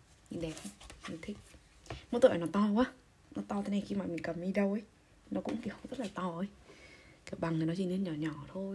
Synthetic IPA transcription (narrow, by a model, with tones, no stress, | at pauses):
ɲḭ˧˨ɗɛ˨˩˧na˨˧˦t̪ʰi˦˥k̚ | m˧˦t̪ːʔːnɔ˨˦t̪ɔ˧kwaː˧˨ | nɔ˧˦t̪ɔ˧t̪ʰɛ˧˩nɛ˧˩xi˧maː˨˩mi˨kə˨˩mmi˧ɗə˧wʔə˧˦j | nɔ˨˦kʊ̰˧˥ŋ͡mki˨˧˩əwzə˦˥t̚laː˨jt̪ɔ˧˩ʔə˧˦jki˧˩ə˨wɓa˨ŋhnɔ˨˧t͡ɕi˧˨nɨ˧˥nɲɔ˨˩ɲɔ˨˩t̪ʰo˧